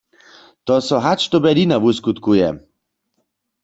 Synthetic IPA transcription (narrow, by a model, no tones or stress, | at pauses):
t̪ɔsɔɦat͡ʃt̪ɔbɛd̪inavuskut̪kujɛ̰